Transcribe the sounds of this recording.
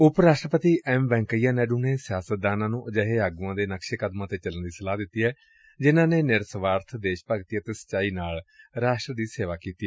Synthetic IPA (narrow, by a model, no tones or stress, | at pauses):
ʊpɾaːʃʈɾəpət̪iːʔɛːmbɛ̃ːŋkəijːaːnɛːɖuːneːsɪjaːsət̪̚d̪aːnãːnũːʔəd͡ʒəɦeːaːɡũãːd̪eːnəkʃeːkəd̪mãːt̪eːt͡ʃələnd̪iːsəlaːd̪ɪt̪ːiːɦɛː | d͡ʒɪnãːneːnɪɾsəʋaːɾt̪ʰd̪eːʃpəɡt̪iɛːt̪eːsə̥t͡ʃːaːiːnaːlɾaːʃʈɾəd̪iːseːʋaːkiːt̪iːɛː